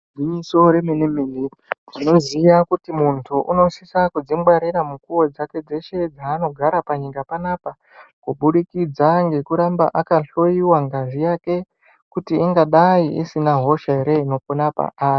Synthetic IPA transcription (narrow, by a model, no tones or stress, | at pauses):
iɲiso̞ɾe̞menemene | ʐino̞zijakutimuntʰuʔṵno̞sisakud͡zimwaɾiɾamukuwod͡zake̞d͡ze̞ʃe̞d͡zaːno̞ɡʱaɾapaɲikapanaːpa | kuɓuɗikid͡zaŋɡe̞kuɾamba̰ʔakaɬo̞iwaŋɡaʐijake̞ | kutiiŋɡaɗaiḭsinaɦo̞ʃaeɾe̞ino̞ponapa̰ʔaːri